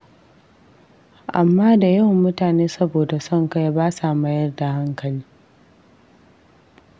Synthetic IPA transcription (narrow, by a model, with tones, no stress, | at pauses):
ʔa˨mːaː˦da˨ja˦˨wmʊ˦taː˨neː˦sɐ˦boː˨da˨sɔ˦˨ŋkɐ˦ja˦baː˦sa˨ma˦jɐ˦rda˨ha˦ŋkɐ˨liː˦